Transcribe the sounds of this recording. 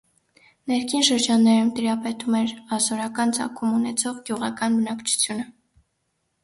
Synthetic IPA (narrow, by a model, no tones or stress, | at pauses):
nɛɾkʰinʃəɾd͡ʒɑnːɛɾumt̪iɾɑpɛt̪umɛɾɑsɔɾɑkɑnt͡sɑ̰kʰumunɛt͡sʰɔʁɡjuʁɑkɑnbənɑkt͡ʃʰu̥t͡sʰjunə